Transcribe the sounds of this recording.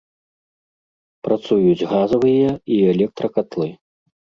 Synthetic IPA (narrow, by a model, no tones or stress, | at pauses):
pɾat̪sujud͡zʲɣazɐvɨjɐiɛlʲɛk̚t̪ɾɐkat̪lˠɨ